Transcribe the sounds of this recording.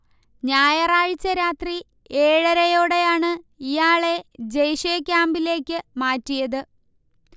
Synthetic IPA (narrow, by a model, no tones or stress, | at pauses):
ɲaːjɐraːɻt͡ɕːɐɾaːt̪ri | eːɻɐɾɐjoːɽe̞jaːɳɨijaːɭe̞d͡ʑejʂijɐkʲːaːmbile̞ːkʲːɨmaːtːijɐðɨ